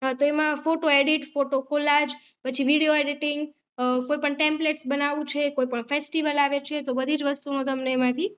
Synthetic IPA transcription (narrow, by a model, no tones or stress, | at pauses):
ɦat̪oemãfoʈoeɽiʈfoʈokolad͡ʒ | pət͡ʃʰiʋiɽioeɽiʈiŋɡ | koipəɳʈẽmpleʈsbənaʋũt͡ʃʰekoipəɳfesʈiʋəlaʋet͡ʃʰet̪obəd̪ʱid͡ʒʋəst̪unõt̪əmneːmãt̪ʰi